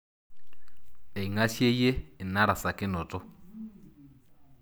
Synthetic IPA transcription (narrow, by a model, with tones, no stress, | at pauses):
e˨i˨ŋa˦ʃje˦je˦ɪ˨na˦ɾa˨sa˨kɪ˦nɔ˨tʼɔ˦